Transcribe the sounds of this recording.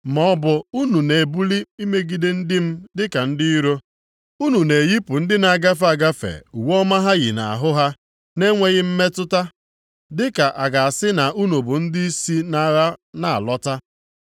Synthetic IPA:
mɔ˦ɔ˦bʊ˨u˦nu˨ne˨bu˦li˦i˦me˦ɡi˨dɪ˦n̩˦dɪ˦m̩˦dɪ˦ka˨n̩˦dɪ˦i˦ɾo˦ | u˦nu˨ne˨ji˦pʊ˨n̩˦dɪ˦na˨ɡa˦fa˨ɡa˦fḛ˨u˨wɔ˦ma˦ɦa˦ɣɪ̰˨na˨a̰˨ɦʊ˦ɦa˦ | ne˦ŋʷe˦ɣɪ˦m̩˦me˦tʊ˦ta˦ | dɪ˦ka˨ʔa˨ɡa˨a˨sɪ˦na˨ʔu˦nu˨bʊ˨n̩˦dɪ˦i˦si˦na˨ɾa˦na˨a̰˨lɔ˦ta˦

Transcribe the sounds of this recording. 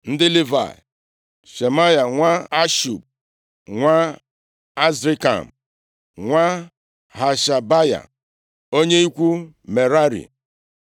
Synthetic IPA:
n̩˦dɪ˦li˦va̰˨ | ʃe˨ma˦ja˨ŋʷa˦a˦ʃṵ˨p̚ | ŋʷa˦ | a˦zɾi˦ka̰˨m̩˨ | ŋʷa˦ | ha˨ʃa˨ba˦ja̰˨ | o˦ɲe˦i˦kʷu˦ | me˨ɾa˦ɾḭ˨

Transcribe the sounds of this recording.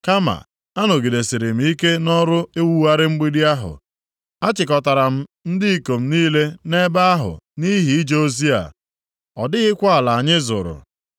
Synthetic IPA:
ka˦ma̰˨ | a˦no˨ɡi˨de˨si˨ɾɪ˨m̩˦i˦ke˦nɔ˦ɾʊ˦e˦wu˦a˦ɾɪ˦ŋ͡m̩˦ɡ͡bi˦di˦a˦ɦʊ̰˨ | a˦t͡ʃɪ˨kɔ˨ta˨ɾa˨m̩˦n̩˦dɪ˦i˦˨ko˨m̩˦niː˦le˦ne˦ba˦a˦ɦʊ̰˨ni˦ɦi˨i˦d͡ʒe˦o˦zi˦a̰˨ | ɔ˨dɪ˦ɣɪ˦kʷa˦a˨la˨a˨ɲɪ˦zʊ̰˨ɾʊ̰˨

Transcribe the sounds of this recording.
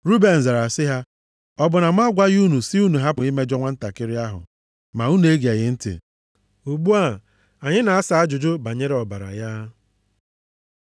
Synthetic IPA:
ɾu˦be˨n̩˨za˨ɾa˨sɪ˦ɦa˦ | ɔ˦bʊ˨na˨m˦a˦ɡʷa˦ɣu˦nu˨si˦u˦nu˨ɦa˦pʊ˨ɪ˦me˦d͡ʒɔ˦ŋʷa˦n̩˦ta˨kɪ˦ɾɪ˦a˦ɦʊ̰˨ | ma˨u˦n˦e˦ɡe˨ɣɪ˨˦n̩˦tɪ̰˨ | u˨ɡ͡bu˦a˦˨ | a˨ɲɪ˦na˨a˦sa˨a˦d͡ʒʊ˨d͡ʒʊ˦ba˨ɲe˦ɾe˦ɔ˨ba˨ɾa̰˨ja˦

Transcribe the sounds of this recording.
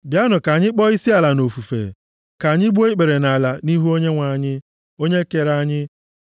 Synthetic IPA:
bja˦nʊ˨ka˨ɲɪ˦k͡pɔ˦i˦si˦a˨la˨no˨fu˨fḛ˨ | ka˨ɲɪ˦ɡ͡bu˦e˦k͡pe˨ɾe˨na˨la˨ni˦ɦu˦o˦ɲe˦ŋʷa˨ɲɪ˦ | o˦ɲe˦ke˦ɾa˦ɲɪ˦

